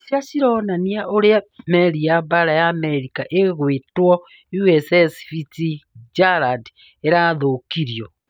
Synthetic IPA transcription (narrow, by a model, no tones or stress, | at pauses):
sasiɾonaniaʔoɾeameɾiaβaɾajameɾikaʔeɣwetwɔ | juesesfitid͡ʒaɾad | eɾaðokiɾjo